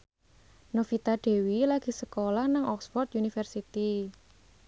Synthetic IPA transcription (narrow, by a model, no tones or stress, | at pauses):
nofit̪aɖ̥e̤wilaɡ̥i̤səkolahnaŋʔɔksfɔrt̪̚unifərsit̪i